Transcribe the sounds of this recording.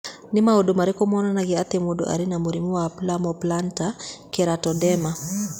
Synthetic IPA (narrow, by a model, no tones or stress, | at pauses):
nɪmaodomaɾekɔmɔnanaɡɪat̪emodo̰ʔa̰ɾɪnamoɾimuwaplamɔplantakeɾatɔdɛma